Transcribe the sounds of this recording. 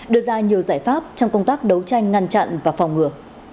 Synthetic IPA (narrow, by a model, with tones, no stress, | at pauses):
ɗɨ˧˩əzaː˧ɲi˨˩əwzaː˧˩jfaː˦˥p̚t͡ɕɔ˧wŋ͡mkə˧wŋ͡mt̪aː˦˥k̚ɗə˨˦wt͡ɕa˧jŋ̟ŋa˧nt͡ɕa̰˧˨nvaː˨˩fɔ˨˩wŋ͡mŋɨ˨˧˩ə